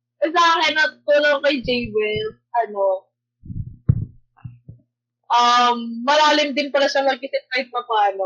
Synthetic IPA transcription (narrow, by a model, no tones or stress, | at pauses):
ʔɐsaːhɛnɐt̪t̪uːloŋkɐjd͡ʒɛjwɛlsʔɐno | ʔamːɐlaːlɪmd̪ɪnpɐɾɐʃɐmɐɡ̚kɪsɪt̪̚kɐjd̪̚pɐpaːno